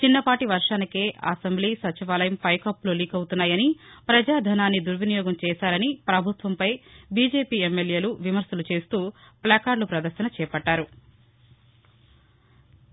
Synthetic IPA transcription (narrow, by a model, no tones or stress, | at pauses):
t͡ʃinːɐpaːʈiʋɐɾʂaːnikeːʔɐ̰sɐmbliːsɐt͡ʃiʋaːlɐjɐmpɐjkɐpːluliːkɐwut̪unːaːjɐnipɾɐd͡ʒaːd̪ʱɐnaːnːid̪uɾʋinijɔːɡɐmt͡ʃɛːsaːɾɐnipɾɐbʱut̪ʋɐmpɐjbiːd͡ʒe̞ːpiːɛmːelje̞ːluʋimɐɾsɐlut͡ʃe̞ːst̪uːplaːkaːɾlupɾɐd̪ɐɾʃɐnɐt͡ʃɛːjɐpɐɖːaːɾu